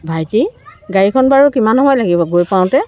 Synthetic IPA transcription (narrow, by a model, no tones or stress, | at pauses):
bʱajtiɡaɹikʰɔnbaɹukimanɔmɔjlaɡibɔɡojpaʊ̃tɛ